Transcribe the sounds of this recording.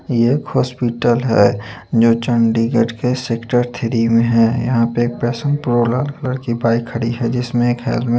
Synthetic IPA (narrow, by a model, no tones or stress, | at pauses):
jeeːkhɔːspiʈəlɦɛ̰ːd͡ʒoːt͡ʃə̃ɳɖiɡəʈkeseːkʈəɾt̪ʰeːɾimẽɦɛjɐ̰ɦãpeeːk̚pɾɛːsə̃npɾolaːlkələɾkibaːikʰːəɽiɦɛd͡ʒɪsmẽːkɦɛ̰ːlbmẽ